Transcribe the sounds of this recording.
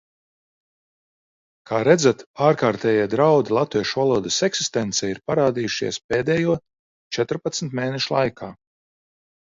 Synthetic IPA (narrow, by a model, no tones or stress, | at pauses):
kʰaːɾɛd̪zat̪aːɾkaːɾt̪ɛːjiɛd̪ɾawd̪ilˠat̪viɛʃuvalˠuɔd̪ɐsɛksist̪ɛnt̪sɛːiɾpaɾaːd̪ijuʃḭɛspeːd̪ɛːjuɔ | t͡ʃɛt̪ɾpat̪sm̩ʲt̪meːnɛʃulˠa̰jkʰaː